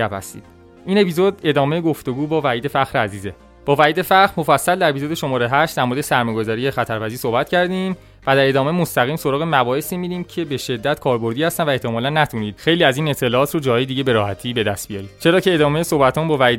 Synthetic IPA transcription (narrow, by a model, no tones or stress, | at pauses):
æphæ̰st̪ḭːd̪̥ | iːne̞pizo̞d̪e̞d̪ɒːme̞jeɡoft̪o̞ɡuːbɒːvæiːd̪e̞fæxɾeæziːze | b̥ɒːvæiːd̪e̞fæχɾmo̞fæsːæld̪æɾe̞pʰizo̞d̪eʃo̞mɒːɾeɦæʃtd̪æɾmoɾed̪esæɾmɒjɡo̞zɒːɾijexæt̪ʰæɾpæziːso̞hbæt̪cʰæɾd̪im | væd̪æɾe̞d̪ɒːme̞jmost̪æɣiːmso̞ɾɒːɣemæbɒːhesiːmiːd̪iːmcʰe̞be̞ʃe̞d̪ːæt̪kʰɒːɾbo̞ɾd̪iːhæst̪ænvæeht̪ʰe̞mɒːlænːæt̪ʰuniːd̪̥xe̞jliːæziːne̞t̪ʰːe̞lɒɒːt̪ʰrod͡ʒɒːɦɒːjed̪iːɟe̞beɾɒːhæt̪ʰiːbed̪æst̪̚bijɒːɾiːd̪̥t͡ʃʰe̞ɾɒːcʰe̞eːd̪ɒːmejeso̞hbæt̪ʰɒːnbɒːvæiːd̪